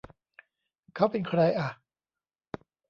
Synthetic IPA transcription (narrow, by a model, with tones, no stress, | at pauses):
kʰa˦˥˩wpe˧nkʰɾa˧jʔa˨˩